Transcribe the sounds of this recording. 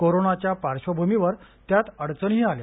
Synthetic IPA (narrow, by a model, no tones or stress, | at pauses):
koɾoɳat͡ɕjapaɾɕəbʱumiʋəɾt̪jat̪əɽt͡səɳɦiːalja̰